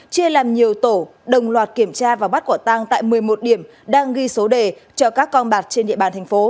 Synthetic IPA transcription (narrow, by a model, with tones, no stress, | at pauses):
t͡ɕi˧əlaː˨˩mɲi˨˩əwt̪o˧˩ɗə˨˩wŋ͡mlwaː˨˩t̚ki˧˩əmt͡ɕaː˧vaː˨˩wɓa˦˥t̚ku˧˩t̪a˧ŋt̪a̰ː˧˨jmɨ˨˩əjmo˨˩t̚ɗi˧˩əm | ɗaː˧ŋɣi˧so˨˦ɗe˨˩t͡ɕɔ˧kaː˦˥kːɔ˧nɓaː˨˩t̚t͡ɕe˧nɗḭ˧əɓaː˨˩nt̪ʰɛ˨˩ŋ̟fo˨˦